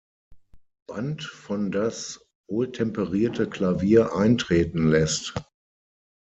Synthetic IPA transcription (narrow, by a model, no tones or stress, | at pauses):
b̥antfɔndas | voːltʰɛmpəʁiːɐtʰəklaviːɐʔaɪntʁ̥eːtn̩lɛst